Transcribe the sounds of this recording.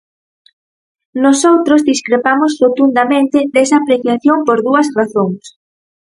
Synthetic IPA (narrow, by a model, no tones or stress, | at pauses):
nosowt̪ɾozðiskɾepamosrot̪und̪amẽnt̪ɪd̪esaːpɾeθjaθjompoɾðuɐsraθoŋs